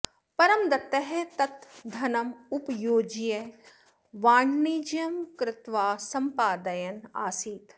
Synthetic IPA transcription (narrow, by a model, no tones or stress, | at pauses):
pɐɾɐmd̪ɐt̪ɐɦet̪ɐt̪d̪ʱɐnɐmʊpjoːd͡ʒije | ʋaːɳːiːd͡ʒjɐmkɾɪt̪ʋaːsɐmpaːd̪ɐjɐna̰ːsiːt̪